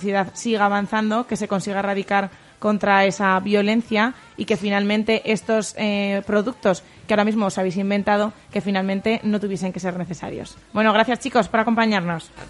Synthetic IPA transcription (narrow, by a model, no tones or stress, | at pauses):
θjeðaðsiɣaːβanθand̪o̞ke̞se̞ko̞nsiɣ̞aeraðikaɾ | ko̞nt̪ɾae̞saβjo̞le̞n̟θja | ike̞finalmẽ̞nt̪e̞ʔe̞st̪o̞spɾo̞ðuk̚t̪o̞s | keaoɾamizmo̞ːsaβejsimbe̞nt̪að̞o̞ke̞finalmẽ̞nt̪e̞no̞t̪uβje̞se̞ŋke̞se̞ɾne̞θe̞sa̰ɾjo̞̰s | bwe̞no̞ɣ̞ɾaθjast͡ʃiko̞spo̞ɾako̞mpaɲaɾno̞s